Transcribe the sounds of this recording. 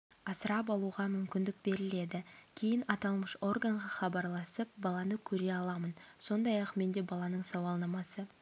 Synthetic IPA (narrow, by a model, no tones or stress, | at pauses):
ɑsəɾɑp̬ɑlˠuʁɑmʏmkʲɪnd̪ɪk̚be̞ɾɪle̞d̪ɪkʲʰe̞jɪnɑt̪ɑlˠməʃo̞rɡaɴʁɑχɑbɑɾlˠɑsəp̚bɑlˠɑnəkʲʰɵɾe̞ɑlˠɑmənso̞nd̪ɑjɑqme̞nd̪e̞bɑlˠɑnəɴsɑwɑlˠnɑmɑsə